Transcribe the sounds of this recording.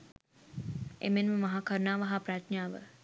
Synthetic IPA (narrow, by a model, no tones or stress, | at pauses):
emenməmɐɦakəɾnaːʋaɦapɾatnjaːʋə̰